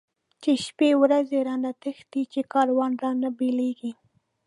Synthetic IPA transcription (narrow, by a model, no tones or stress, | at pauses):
t͡ʃeʃpewɾazeɾɑnat̪əxd̪it͡ʃekɑɾawɑnɾɑnabeleɡi